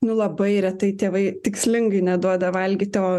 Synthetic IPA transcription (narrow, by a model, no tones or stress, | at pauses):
nʊlˠɐbɐɪɾʲɛt̪ɐɪt̪ʲeːʋɐɪt̪ʲɪksʲlʲɪŋɡɐɪnʲɛd̪uɔd̪ɐʋɐlʲɡʲɪt̪ʲɛʋoː